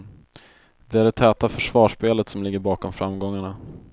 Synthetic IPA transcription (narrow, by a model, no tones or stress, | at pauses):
d̪ɛæɾɛt̪ʰːɛːt̪afœʂvɑːʂpeːlət̪sɔmlɪɡːəɾbɑːkɔmfɾamːɡɔŋːaɳa